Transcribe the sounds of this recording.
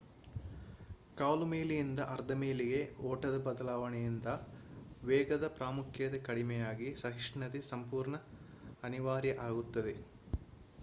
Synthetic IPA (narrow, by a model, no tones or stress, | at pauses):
kaːlumeːlijind̪ɐʔɐɾd̪ʱɐmeːliɡe̞ɔːʈɐd̪ɐbɐd̪ɐlaːʋɐɳɛjind̪ɐʋɛːɡɐd̪ɐpɾaːmukʰjɐd̪ɐkɐɽimɛjaːɡisɐɦiʂɳɐd̪isɐmpuːɾɳɐːniʋaːɾjɐʔaːɡut̪ːɐd̪e̞